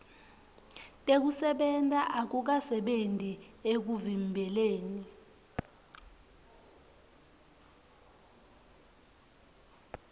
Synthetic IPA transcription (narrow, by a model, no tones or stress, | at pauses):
tʼek̬usɛɓɛntʼaʔak̬uk̬asɛɓentʼiek̬uvimbʱɛleːni